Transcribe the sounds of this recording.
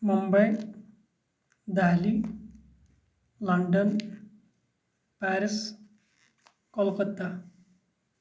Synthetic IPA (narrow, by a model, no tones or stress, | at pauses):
mumbəj | d̪ali | lɔɳɖən | pæɾis | kɔlkət̪ːa